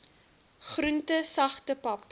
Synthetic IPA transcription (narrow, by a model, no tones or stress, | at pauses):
χruntəsɐχtəpɐp̚